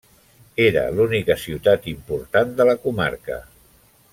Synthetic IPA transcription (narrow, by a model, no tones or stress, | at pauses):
eɾə̰lunikəsiwt̪at̪impuɾt̪and̪ələkuma̰ɾkə̰